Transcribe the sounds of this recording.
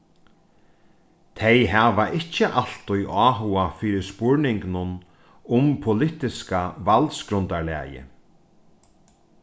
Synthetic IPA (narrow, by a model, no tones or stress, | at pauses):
t̪ʰejɦaːvaʔɪt͡ɕːɪʔal̥t̪ʊjʔɑːɦʊafiːɾɪspʊɹnɪŋknʊn | ʊmpʰʊlɪt̪ɪskavalt̪skɾʊnt̪aɹlɛ̰ːjɪ̰